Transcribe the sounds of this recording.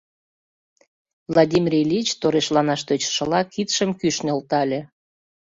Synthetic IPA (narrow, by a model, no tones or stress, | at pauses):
vlɑd̪ʲimʲirʲelʲit͡ɕt̪oɾeʃlɑnɑʃt̪øt͡ɕʃəlɑkit̪ʃəmkyʃnelt̪ɑlʲe